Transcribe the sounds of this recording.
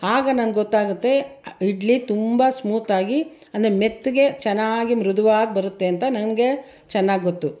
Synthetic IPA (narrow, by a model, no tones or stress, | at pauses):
aːɡɐnɐnɡɡɔt̪ːaːɡut̪ːe̞iɖlit̪umbɐsmuːt̪aːɡi | ɐnd̪ɐɾemet̪ːuɡe̞t͡ʃɛnːaːɡimɾud̪ʱɐʋaːɡ̚bɐɾut̪ːe̞ɐnt̪ɐnɐnɡe | t͡ʃɛnːaːɡiɡot̪ːu